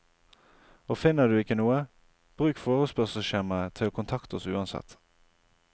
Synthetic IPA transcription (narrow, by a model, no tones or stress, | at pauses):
oːfɪnəd̪ʉːɪkənuːə | b̥ʁʉːkfoːʁʉspœʁsəʃeʁmət̪ʰɪloːkʰʊnt̪ʰɑkt̪ɔsʉ̰ːɑnsɛ̰t̪